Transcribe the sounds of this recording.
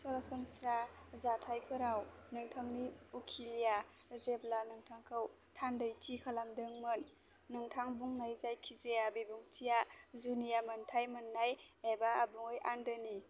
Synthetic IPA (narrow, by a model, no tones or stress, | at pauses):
sɔɾasɔmsɾazatʰajpʰɯɾawnɯŋtʰaŋniukʰilija | zeblanɯŋtʰaŋkʰɯw | tʰandajtikʰalamdɯŋmɯnː | ɯŋtʰaŋbuŋnajzajkʰizeabibuŋtʰijazunijamɯntʰajmɯnːajebaːbuŋɯjʔandɯni